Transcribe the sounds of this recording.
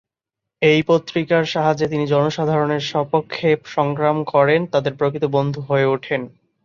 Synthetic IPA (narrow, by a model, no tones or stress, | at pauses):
ejpot̪ːɾikaɾʃaɦad͡ʑet̪inid͡ʑɔnoʃad̪ʱaɾoneɾʃɔpokʰːepʃɔŋkɾamkɔɾent̪ad̪eɾpɾokit̪obond̪ʱuɦoeuʈʰen